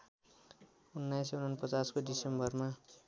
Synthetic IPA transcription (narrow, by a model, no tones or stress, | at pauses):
unːajs̬eunanpʌt͡saskodisembʌrma